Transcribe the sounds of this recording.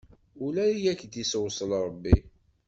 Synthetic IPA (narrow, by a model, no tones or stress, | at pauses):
ʊlæijækːd̪iswsˤəlɾˤəbːi